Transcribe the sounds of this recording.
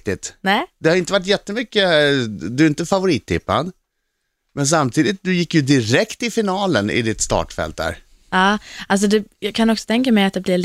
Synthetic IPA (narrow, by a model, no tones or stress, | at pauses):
t̪ɪt̪nɛd̪ɛhaɾɪnt̪əvaʈ̬ːjɛt̪ːəmʏkːəd̪ɵɾɪnt̪əfavʊɾiːt̪ʰːɪpːa̰d̪ | mɛns̬amt̪ʰiːd̪ɪt̪̚d̪ɵjɪkːjɵd̪ɪɾɛkt̪ɪfɪnɑːlənɪ̰d̪ɪt̪st̪ɑ̰ːʈfɛ̰lt̪̚d̪æ̰ːɾ | ɑːals̬ɔd̪ɛjɑːɡkʰanɔksɔ̥t̪ʰɛŋkamɛjat̪̚d̪ɛblɪɭ